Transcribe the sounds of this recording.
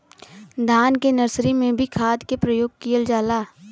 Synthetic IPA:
d̪ʱaːnkenəɾsɾimẽbʱikʰaːd̪kepɾəjoːɡ̚kijəld͡ʒaːlaː

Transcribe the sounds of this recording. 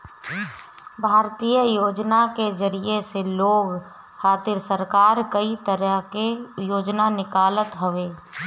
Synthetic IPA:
bʱaːɾt̪ijəjoːd͡ʒnaked͡ʒəɾieseloːɡ | haːt̪ɪɾsəɾkaːɾkəit̪əɾəɦkejoːd͡ʒnanɪkaːlət̪ɦəʋeː

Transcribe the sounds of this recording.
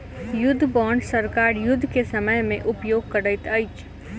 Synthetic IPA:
jʊd̪ʱːbɔːɳɖsəɾkaːɾjʊd̪ʱːkesəməjmẽʔʊpjoːɡ̚kəɾəɪt̪əɪt͡ʃ

